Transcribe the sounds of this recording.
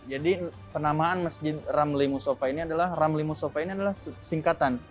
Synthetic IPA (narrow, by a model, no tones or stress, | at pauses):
d͡ʒadi | pənamaːnmasd͡ʒɪt̪̚ramlimusofainiadalahramlimusofainiadalahsiŋkat̪an